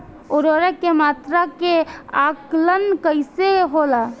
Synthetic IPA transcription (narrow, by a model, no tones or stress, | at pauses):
oɾoɾɛkːemat̪ɾakeaklənkəɪseɦola